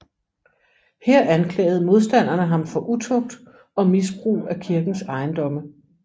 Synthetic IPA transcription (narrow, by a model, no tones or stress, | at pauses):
heɐ̰ænkʰlɛ̰ːɪð̩ˠmo̝ð̞ˠsd̥æn̰ɐnəɦɑ̈mfɒ̽ʔut͡sʰɔ̽ɡ̥̚d̥ | ɒ̽mis̬b̥ʁṵːækʰiɐɡ̥n̩sɑ̈ɪnd̥ɒ̽mə